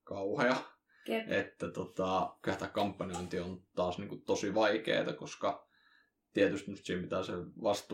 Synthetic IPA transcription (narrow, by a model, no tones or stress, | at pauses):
kɑuhɑjɑ | ʔet̪ːæt̪ot̪ɑkylæht̪ækkɑmpːɑnioˑint̪iont̪ɑːsniːŋkut̪osiʋɑikḛːt̪ɑkoskɑ | t̪iet̪yst̪nust̪siːhempi̥t̪æːseʋɑst̪